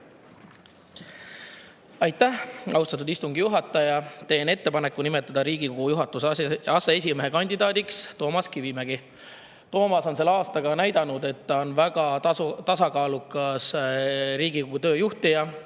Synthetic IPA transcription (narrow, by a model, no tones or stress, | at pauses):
ɑjt̪ːæhɑ̰wst̪ɑt̪̬ːˑud̪ist̪uŋɡ̥ijuɦɑt̪ːˑɑjɑt̪e̞ːne̞t̪ːe̞pɑnekːˑunime̞t̪ːˑɑd̪ɑɾiːɡ̥iko̞ɡ̥ujuɦɑt̪ːˑusɑsees̬ʲimeɦe̞kɑnʲd̪id̪̥ɑːd̪ikst̪o̞ːmɑskiviːmeɡ̥i | t̪o̞ːmɑso̞nse̞lːeɑːst̪ɑɡ̥ɑnæjd̪̥ɑnud̪e̞t̪ːɑo̞nvæɡ̥ɑt̪ɑsɑkɑːlukːˑɑsɾiːɡ̥iko̞ɡut̪ø̞ːjuht̪ijɑ